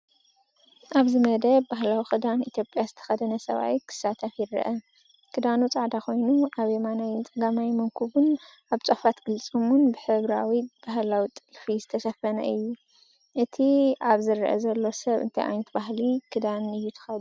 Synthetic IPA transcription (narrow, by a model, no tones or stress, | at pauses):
ʔaβzɨmɐd̪ɐbbaɦlawixɨd̪anit̪ʰjo̞pʼjazɨt̪ʰɐ̥xɐd̪ɐnɐsɐ̰βa̰wikʰɨ̥sːat̪ʰɐfjɪɾ̰ʔɐ | kʰɨd̪anut͡sʼaʕd̪ako̞jnuaβemanajt͡sʼɨɡamajmɐŋkʰuβun | aβt͡sʼofat̪ɡ̥ɨlt͡sʼumunbɨħɨβɾawib̥ahlawit̪ʼɨlfizɨt̪ʰɐʃɐfɐnɐ̰ɨjːu | ʔɨt̪ʰiʔaβzɨɾʔɐ̰zɐlːo̞sɐβɨ̰nt̪ʰɐjʔa̰jnɐt̪baɦlikʰɨd̪anɨjːut̪ʰɨ̥xɐlu